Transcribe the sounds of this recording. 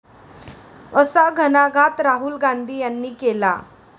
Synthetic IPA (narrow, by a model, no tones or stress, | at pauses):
əsaɡʱənaɡʱat̪ɾaɦulɡand̪ʱiːjanːiːkela̰